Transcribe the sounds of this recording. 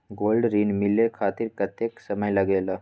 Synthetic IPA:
ɡolɖɾiːnmilekʰat̪iɾkət̪jeksəməjləɡela

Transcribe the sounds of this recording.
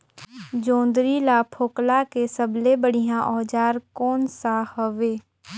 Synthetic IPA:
d͡ʒõːnd̪ɾilapʰoːklakesəblebəɽ̤ijãʔɔːd͡ʒaːɾkɔːnsahəʋeː

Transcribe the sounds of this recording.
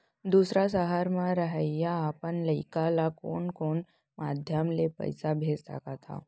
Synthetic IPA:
d̪usɾasəɦaɾmãɾəɦəjaːpəɳləjkalako̰ɳkoɳ | mad̪ʱjəmlepə̰jsabʱed͡zt̪a̰kat̪ʰa̰

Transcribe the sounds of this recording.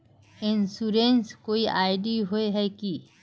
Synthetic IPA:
insuɾenskoiʔaːɪɖiɦoeɦɛki

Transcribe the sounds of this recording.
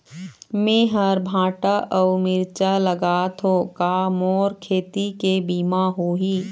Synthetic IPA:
meːɦəɾbʱãːʈaʔɔːmɪɾt͡ʃaləɡaːt̪okaːmoːɾkʰeːt̪ikebiːmaɦoɦiː

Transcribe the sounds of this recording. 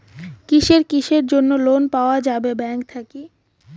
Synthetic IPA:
kiʃeɾkiʃeɾd͡ʑonːolonpaoad͡ʑabebɛŋkt̪ʰaki

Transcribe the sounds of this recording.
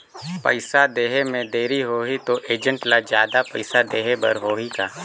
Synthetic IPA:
pɐ̰ɪsad̪eːɦemẽd̪eːɾiɦoːɦit̪oʔeːd͡ʒə̃ɳʈlad͡ʒjaːd̪apəɪsad̪eːɦebɐ̰ɾɦoːɦikaː

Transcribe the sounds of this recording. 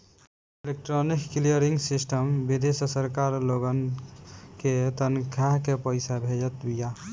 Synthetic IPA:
ilek̚ʈɾonikːlijəɾiŋɡsisʈəmbid̪esəsəɾkaɾloɡən | ket̪ənkʰaɦkepəɪsabʱed͡ʒət̪bija

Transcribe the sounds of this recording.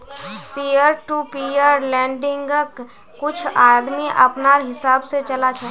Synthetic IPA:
pijəɾʈupijəɾlɛ̃ːɳɖɪ̃ŋɡk | kʊt͡ʃʰaːd̪miʔɐ̰pnaːɾɦɪsaːbset͡ʃɐlat͡ʃʰɛ

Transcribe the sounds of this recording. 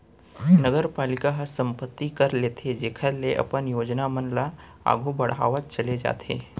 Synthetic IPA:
nəɡəɾpaːlɪkaɦɐsɐ̃mpət̪ːikɐɾleːt̪ʰed͡ʒeːkʰəɾleʔɐ̰pənjoːd͡ʒnamənla | a̰ːɡʱubɐɽ̤a̰ːʋət͡ʃɐled͡ʒa̰ːt̪ʰḛː

